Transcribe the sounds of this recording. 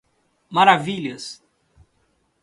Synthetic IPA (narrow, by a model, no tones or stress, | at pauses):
maɾaviʎɐs